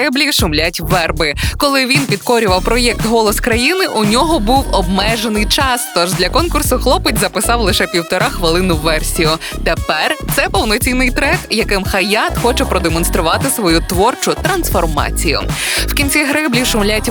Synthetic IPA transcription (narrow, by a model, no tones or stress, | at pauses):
ɪblʲiʃʊmlʲatʲʋɛrbɪkɔlˠɪʋʲinpʲid̪kɔɾʲʊʋɐwpɾɔjɛk̚t̪ɦɔlˠɔskɾɐjinɪʔʊnʲɔɦɔbuwɔbmɛʒenɪjt͡ʃɑst̪ɔʒd̪lʲɐkɔnkʊrsʊxlˠɔpɪtʲzɐpɪsɑwlˠɪʃɛpʲiwt̪ɔɾɑxʋɪlˠɪnʊʋɛrsʲijʊt̪epɛrt̪sɛpɔwnɔt͡sʲinɪjt̪ɾɛkjɐkɪmxɐjat̪xɔt͡ʃɛpɾɔd̪emɔnst̪ɾʊʋɑt̪ɪsʋɔjut̪ʋɔrt͡ʃʊt̪ɾɐnsfɔrmɑ̰t͡sʲijʊ̰wkʲinʲt͡sʲiɦɾɪblʲiʃʊmlʲatʲ